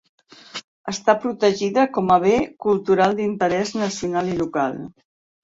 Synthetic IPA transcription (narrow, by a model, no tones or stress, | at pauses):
əst̪apɾut̪əʒiðəkɔməβekulˠt̪uɾalˠd̪int̪əɾɛznəsiunalilukalˠ